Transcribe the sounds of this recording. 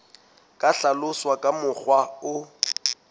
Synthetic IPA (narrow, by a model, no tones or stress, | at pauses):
kʼaɬalʊswakʼamʊk͡xwaʊ